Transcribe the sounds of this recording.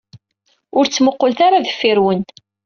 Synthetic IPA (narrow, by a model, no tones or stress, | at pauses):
ʊɾt͡sːməqːolθaɾaðəfːɪɾwənt̪